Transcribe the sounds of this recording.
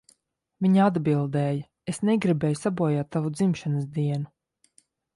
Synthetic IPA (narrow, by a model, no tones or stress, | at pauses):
vʲiɲaad̪bilˠd̪ɛːja | esneɡɾibɛːjusabuɔjaːt̪ːavud̪zimʃanasd̪iɛnu